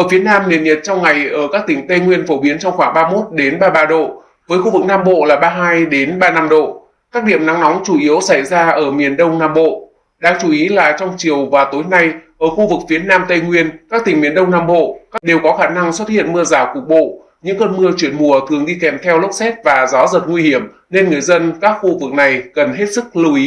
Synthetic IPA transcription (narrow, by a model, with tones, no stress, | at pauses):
ʔəː˧˩fi˨˦ənaː˧mnḭ˨˩ənɲə˨˩t̚t͡ɕɔ˧wŋ͡mŋa˨˩jʔəː˧˩kaː˦˥k̚t̪ï˨˩ŋ̟t̪ə˧jŋwi˧ənfo˧˩ɓi˨˦ənt͡ɕɔ˧wŋ͡mxwaː˧˩ŋɓaː˧mo˦˥t̚ɗe˨˦nɓaː˧ɓaː˧ɗo̰˧˨ | vəː˨˦jxu˧vɨ˨˩k̚naː˧mɓo̰˧˨laː˨˩ɓaː˧ɦaː˧jɗe˨˦nɓaː˧na˧mɗo̰˧˨ | kaː˦˥k̚ɗḭ˧˨əmna˨˦ŋnɔ˨˦ŋ͡mt͡ɕu˧˩ʔi˨˦əwsa˧˩jzaː˧ʔəː˧˩mi˨˩ənɗə˧wŋ͡mnaː˧mɓo̰˧˨ | ɗaː˧ŋt͡ɕu˧˩ʔi˨˦laː˨˩t͡ɕɔ˧wŋ͡mt͡ɕi˨˩əwvaː˨˩t̪o˨˦jna˧jʔəː˧˩xu˧vɨ˨˩k̚fi˨˦ənaː˧mt̪ə˧jŋwi˧ənkaː˦˥k̚t̪ï˨˩ŋ̟mi˨˩ənɗə˧wŋ͡mnaː˧mɓo̰˧˨kaː˦˥kɗe˨˩wkɔ˨˦xaː˧˩na˧ŋswt̚hḭ˧˨ənmɨ˧əzaː˧˩kək̚ɓo̰˧˨ | ɲɨ̰˧˥ŋkəː˧nmɨ˧ət͡ɕwi˧˩ənmu˨˩ət̪ʰɨ˨˩əŋɗi˧kɛ˨˩mt̪ʰɛ˧wlə˦˥k͡p̚sɛ˦˥t̚vaː˨˩za˨˦zə˨˩t̚ŋwi˧hi˧˩əm | ne˧nŋɨ˨˩əjzə˧nkaː˦˥k̚xu˧vɨ˨˩k̚na˨˩jkə˨˩nɦe˦˥t̚sɨ˦˥k̚lɨ˧˩wʔi˨˦